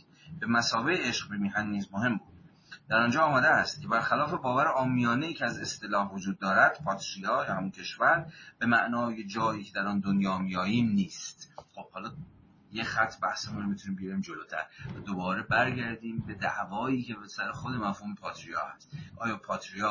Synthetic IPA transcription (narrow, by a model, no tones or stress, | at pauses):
b̥e̞mæsɒːveeeʃqbemiːɦænd̪niːzmoɦe̞mbuːd̪̥ | d̪̥æɾɒːnd͡ʒɒːmæːd̪eæst̪cʲʰebæɾxælɒːfe̞bɒːvæɾeʔɒːmijɒːneiːcʰeæze̞st̪e̞lɒːhvod͡ʒuːd̪̚ːɒːɾæd̪̥pʰɒːt̪ʰɾijɒːjɒːhæmuncʲʰe̞ʃvæɾb̥e̞mæʔnɒːje̞d͡ʒɒːiːcʰe̞d̪æɾɒːnd̪onjɒːmijɒːjiːmniːst̪χob̥hɒːlɒː | jexæt̪ʰːbæhsemunɾoit̪ʰuniːmbeiɾiːmd͡ʒoloːt̪ʰæ̰ɾvæd̪obɒːɾe̞bæɾɟæɾd̪iːmbe̞d̪æ̰ʔvɒːiːcʰebesæɾexod̪e̞mæfhuːmepʰɒːt̪ʰɾijɒ̰ːhæst̪ʔɒːjɒːpʰɒːt̪ʰɾijɒː